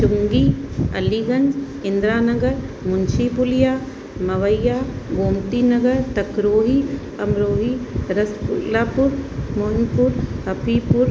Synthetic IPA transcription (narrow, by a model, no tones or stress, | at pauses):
t͡ʃʊŋɡiːɐ̰liːɡɐɲd͡ʒ | ɪnd̪ɾaːnɐɡəɾmʊnt͡ʃʰipulijaː | mɐʋɐjaːboːmt̪iːnɐɡɐɾt̪ɐkɾoːɦiː | ɐmɾoːɦiɾɐspʊlaːpʊɾmonpuɾhɐpiːpʊɾ